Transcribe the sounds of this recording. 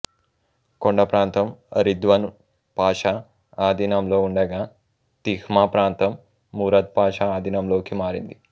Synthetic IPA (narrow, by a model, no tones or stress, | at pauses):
koɳɖɐpɾaːnt̪ɐmɐ̰ɾid̪ʋɐn | paːʃa | aːd̪inɐmloːuɳɖɛɡaː | t̪ixmapɾaːnt̪ɐmː | uːɾɐt̪̚paːʃaaːd̪inɐmloːkimaːɾḭnd̪i